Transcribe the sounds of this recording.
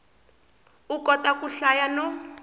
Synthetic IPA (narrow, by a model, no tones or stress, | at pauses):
ukɔtakuɬajano